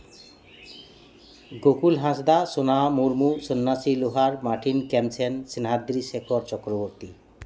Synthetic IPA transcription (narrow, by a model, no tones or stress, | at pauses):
ɡokulɦãsd̪asonamuɾmusonːasiloɦaɾmaʈʰinkɛmt͡ɕʰensinɦad̪ɾiʃekʰoɾt͡ɕɔkɾoboɾt̪i